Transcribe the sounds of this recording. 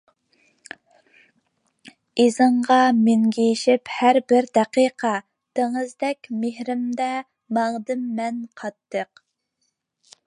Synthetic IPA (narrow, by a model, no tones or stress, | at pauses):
izɨɴʁɑmeŋɡʲijʃɪphæɾbɪɾd̪ɛqiqʰɑ | d̪̥eŋɨzd̪ɛkʲmehɾɪmd̪ɛ | mɑŋd̪ɨmːɛnqʰɑt̪ːəq